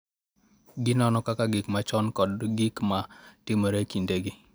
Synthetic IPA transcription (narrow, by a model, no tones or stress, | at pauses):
ɡɪnɔnɔkakaɡɪkmat͡ʃɔnkɔdɡɪkmatɪmoɾekindeɡɪ